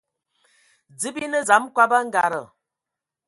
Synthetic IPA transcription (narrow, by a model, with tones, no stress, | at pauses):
d͡zɨ˦bi˦nə˦za˨˦mkwa˦ba˦ŋ̩˦ɡa˨ɾə˨